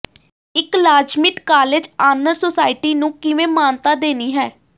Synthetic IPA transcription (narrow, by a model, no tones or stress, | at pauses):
ɪklaːd͡ʒmɪʈkaːled͡ʒaːnəɾsoːsaːɪʈiːnũːkɪʋẽːmaːnt̪aːd̪eːniːɦɛː